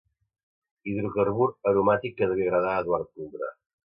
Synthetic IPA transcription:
iðɾukəɾβuɾəɾumat̪ikːəðəβeɣɾaðaəd̪waɾt̪̚uɡɾə̰

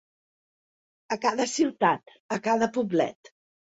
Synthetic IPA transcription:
əkaðəsiwt̪at̪ | əkaðəpublɛ̰t̪

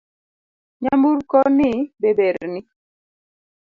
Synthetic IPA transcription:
ɲambuɾkɔnibebeɾni

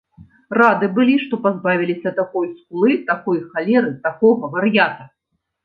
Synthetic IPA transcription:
rad̪ɨbɨlʲiʂt̪ɔpazbavʲilʲisʲɐt̪akɔjsklˠɨt̪akɔjxalʲɛɾɨt̪akɔɣɐvɐrjat̪ɐ

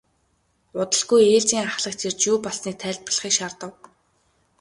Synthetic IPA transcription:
ʊt̪ə̆ɮɣujeːɮt͡ɕiːŋaχɮə̆k̚t͡ɕ̪ʰert͡ɕjuːpɔɮsniːk̚t̪ʰæːɮʲt̪pə̆ɮχiːkʃart̪ə̆w

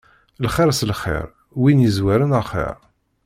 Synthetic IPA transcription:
lχɪɾˤslχɪ̰ɾ | winjizwæɾənəχḭɾ

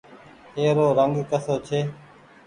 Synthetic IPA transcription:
ɦeːɾoːɾəŋɡkəsoːt͡ʃʰeː

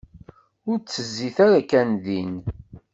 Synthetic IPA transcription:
ʊɾt͡sːəzːiθaɾakænðin

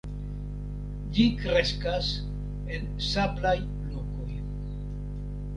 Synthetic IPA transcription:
d͡ʒikɾeskas | e̞n | saplaj | loko̞j

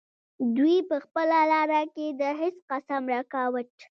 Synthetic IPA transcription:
d̪wipəxpəlalɑɾaked̪əɦɪsqasamɾakawəʈ

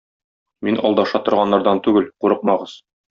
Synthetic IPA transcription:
minɒ̰lˠd̪ɑʃɑt̪ŏɾʁɑnːɑɾd̪ɑnt̪ʉɡɘlquɾɤqmɑʁɤz̥

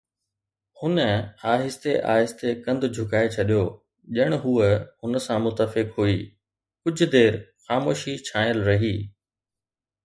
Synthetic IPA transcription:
hʊnəaːɦɪst̪eʔa̰ːɦɪst̪ekɐ̃nd̪ʱʊd͡ʑʱʊkaːet͡ɕʰɐɗijoː | ʄɐɪɽ̃ʊɦuːəhʊnəsãmʊt̪ːəfɪkɦuiː | kʊd͡ʑʱʊ̆d̪eːɾxaːmoːʃit͡ɕʰãːjəlɾɐɦiː

